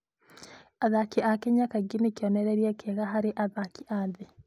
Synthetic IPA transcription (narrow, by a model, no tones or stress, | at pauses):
aðakiʔakeɲakaɡinikiɔnɛɾɛɾiɛkʰɛɣaɦaɾeʔaðakiʔaðe